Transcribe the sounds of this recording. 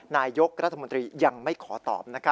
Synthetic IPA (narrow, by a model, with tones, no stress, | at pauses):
naː˧jo˦˥k̚ɾa˦t̪ʰːa˧mo˧nt̪ɾiː˧ja˧ŋma˥˩jkʰɔː˩˦t̪ɔ̰ː˨˩p̚na˦˥kʰ